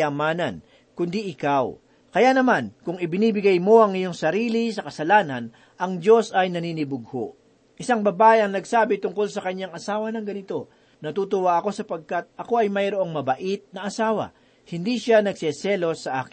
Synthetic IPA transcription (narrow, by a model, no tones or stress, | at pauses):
amaːnɐ̰n | kʊnd̪iʔɪkaw | kɐjanɐmankʊŋɪbɪniːbɪɡɐjmo̞ʔɐŋːɐjo̞ŋsɐɾiːlisɐkɐsɐlaːnɐn | ʔɐŋd͡ʒo̞sɐjnɐniːnɪbʊɡ̚ho̰ʔ | ʔɪsaŋbɐbaːʔɪɐŋnɐɡsaːbɪt̪ʊŋko̞lsɐkɐɲːaŋɐsaːwɐnɐŋɡɐnɪt̪o̞ | nɐt̪uːt̪ʊwaʔɐko̞sɐpɐɡ̚kat̪̚ɐko̞ɐjmɐjɾoʔo̞ŋmɐbɐʔit̪̚nɐʔɐsaːwɐ̰ | hɪnd̪iʃanɐɡ̚sɛsɛlo̞sːɐʔa̰ːkɪ